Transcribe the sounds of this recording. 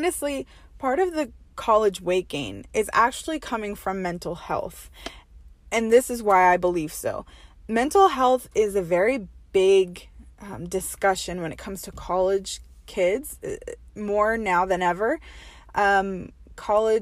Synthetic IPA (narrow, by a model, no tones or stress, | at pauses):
nɨstˡli | pʰɑɹɾʌvðɨkʰɑlˠɨd͡ʒweɪkɡ̥ḛ̃nɪzæ̰k̚t͡ʃʉl̩ˠikʰʌmɪ̃ŋfɹʌ̃mːɛ̃ntˡl̩ˠhɛ̰lˠθ | ɨ̃nðɪsɨzwaɪaɪbəliv̥soʊmɛ̃ntˡl̩ˠɦɛlˠθɪzɨvɛɹib̥ɪɡ | dɨskʌʃɨ̃nwə̃ñɨt̚kʰʌ̃mz̥tʰɨkʰɑlˠɪd̥ʒ̥ | kʰɪdz̥̰mɔɹnaʊðɨ̃nɛvə˞ | ʔʌ̃m | kʰɑlˠɪ